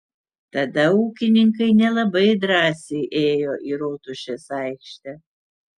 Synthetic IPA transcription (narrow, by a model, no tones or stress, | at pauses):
t̪ɐd̪ɐuːkʲɪnʲɪŋkɐɪnʲɛlˠɐbɐɪd̪ɾɑːsʲɛɪʔeːjoːʔiːɾoːt̪ʊʃʲesɑɪkʃʲt̪ʲɛ